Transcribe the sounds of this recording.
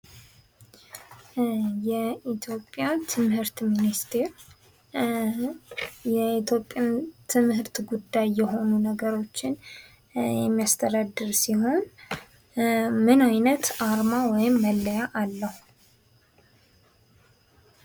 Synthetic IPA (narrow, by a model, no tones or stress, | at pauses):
jɛit̪ʰjo̞pʼːjat̪ʰɨmhɨɾt̪minist̪ʰeɾ | jɛit̪ʰjo̞pʼːjant̪ʰɨmhɨɾt̪ɡud̪ːajːɛho̞nunəɡəɾo̞t͡ʃːɪn | jɛmːijast̪ʰəd̪ad̪ːɨɾsiho̞n | mɨnajnət̪ʔaɾmawɔjɪmːəlːəjaʔalːəhuu